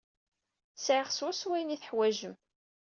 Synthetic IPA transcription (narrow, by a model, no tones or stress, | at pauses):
sʕɪʁswæswæjniθəħwæʒəm